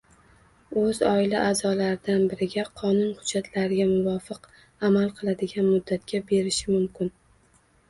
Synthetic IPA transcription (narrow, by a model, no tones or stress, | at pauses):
ɵzɒɪlaʔazɒlaɾɪd̪anbɪɾɪɡʲaqʰɒnʊnhʊd͡ʒːat̪ʰlaɾɪɡʲamʊvɒfɨq | amalˠqʰɨlˠad̪ɪɡʲanmʊd̪ːat̪̚kʲʰabe̞ɾɪʃɪmʊmkʲɪn